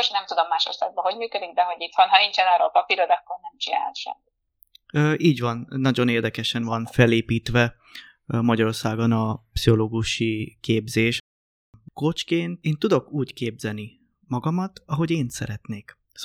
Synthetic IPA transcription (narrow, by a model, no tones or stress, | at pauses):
oʃnɛmt̪ud̪o̞mːaːʃo̰rsa̰ːɡ̚bɒɦo̞ɟmyːkød̪ik̚d̪ɛɦo̞ɟit̪honhɒnint͡ʃɛnɒːrɾo̰ːlpɒpiɾod̪ɒkːornɛmt͡ʃina̰ːt̪ʃɛ̰mːi | øːʔiːɟvɒnːɒɟo̞neːrd̪ɛkɛʃɛnvɒnfɛleːpiːt̪ʋɛ | mɒɟɒɾo̞rsaːɡo̞nɒpsiɦo̞loːɡuʃikeːbzeːʃ | ko̞t͡ʃkeːnt̪eːnt̪ud̪o̞kuːckeːbzɛlni | mɒɡɒmɒt̪ɒɦo̞ɟeːnt̪sɛ̰ɾɛt̪neːk